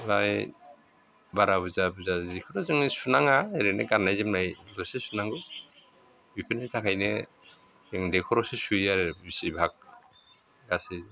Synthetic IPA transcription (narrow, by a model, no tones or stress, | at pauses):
laj | baɾabuzabuzazikʰɔɾɔzɯŋisunaŋaeɾeneɡanːajzimnajbɔsesunaŋɔ | bipʰɯnetʰakʰajne | eŋdekʰɔɾɔsesuijaɾebisibʱak̚ | ɡase